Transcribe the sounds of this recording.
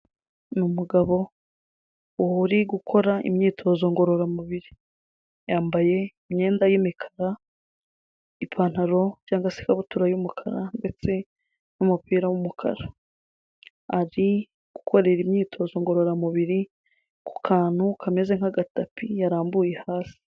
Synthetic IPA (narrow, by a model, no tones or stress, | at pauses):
numuɡaβo̞ | uhuɾiɡukʰo̞ɾaʔḭmɲiːtʰo̞ːzo̞ŋɡo̞ɾo̞ɾamuβiɾi | jaːmbaje̞imɲe̞ːndajimikʰḁɾa | ipʰaːn̥haɾo̞jaːŋɡasi̥kaβutuɾajumukʰaɾande̞t͡se̞ | numupiːɾawumukʰa̰ɾa | aɾi | ɡ̥u̥kʰo̞ɾe̞ɾimɲiːtʰo̞ːzo̞ŋɡo̞ɾo̞ɾamuβiɾi | ku̥kʰaːn̥hukʰameze̞ŋ̥aɡatapʰijaɾaːmbuje̞haːsi̥